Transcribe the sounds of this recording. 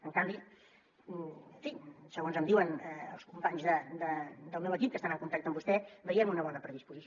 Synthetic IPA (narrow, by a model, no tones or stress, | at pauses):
əŋkambi | əɱfisəɣonzəmd̪iwənəə̰lˠskumpaɲzðəd̪əd̪əlˠmɛwəkip̚kəst̪anəŋkunt̪ak̚t̪əmbust̪ɛbəɾiəmunəβɔnəpɾəðispuzis